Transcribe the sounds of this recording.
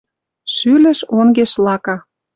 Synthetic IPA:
ʃylə̆ʃoŋɡeʃlɑkɑ

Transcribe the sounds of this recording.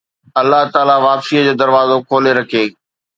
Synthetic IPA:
ɐlːaɦt̪aːlaʋaːpsiːəd͡ʑoːd̪ɐɾʋaːzokʰoːleɾɐkʰeː

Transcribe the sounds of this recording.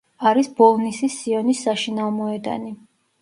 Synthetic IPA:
aɾisbɔlˠnisisiɔnisːaʃinavmɔɛd̪a̰ni

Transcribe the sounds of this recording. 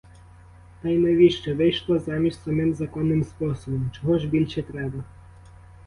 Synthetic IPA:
t̪ɐjnɛʋʲiʃt͡ʃɛʋɪjʃlˠɔzɑmʲiʃʲt̪ʲsɐmɪmzɐkɔnːɪmspɔsɔbɔmt͡ʃɔɦɔʒbʲilʲʃɛt̪ɾɛbɐ

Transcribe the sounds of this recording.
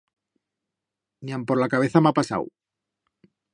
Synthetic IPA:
niampo̞ɾlakaβ̞e̞θamapasa̰w

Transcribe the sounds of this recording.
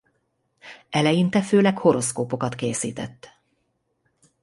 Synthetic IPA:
ɛlɛjint̪ɛføːlɛkho̞ɾo̞skoːpo̞kɒt̪keːsḭːt̪ɛ̰t̪ː

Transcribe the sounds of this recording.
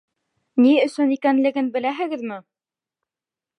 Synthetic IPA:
niɵ̆sɵnikænlɘ̆ɡɘnbɘ̆læɦɘ̆ɡɘðmɘ

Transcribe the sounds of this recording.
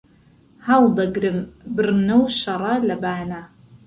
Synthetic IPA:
ħawdɐɡrɨmbɨrnɐwʃɐrˤɐlɐbaːna

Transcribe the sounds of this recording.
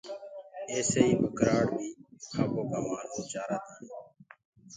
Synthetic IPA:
eːseːiːbəkɾaːɽbʱiːxʰaːboːkaːmaːnũːt͡ʃaːɾaːt̪aːnː

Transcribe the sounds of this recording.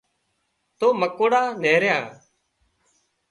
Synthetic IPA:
t̪oːməkoːɽaːneːɾjãː

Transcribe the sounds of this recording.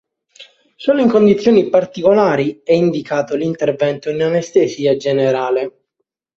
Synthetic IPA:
soːloiŋkond̪it̪sːjoːnipart̪ikolaːɾiɛind̪ikaːt̪olint̪ervɛnt̪oinanest̪esiːad͡ʒeneɾaːle

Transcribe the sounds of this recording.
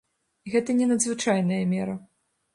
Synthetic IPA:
iɣɛt̪ɐnʲɛnɐd̪zvɨt͡ʂajn̪ɐjɐmʲɛɾɐ

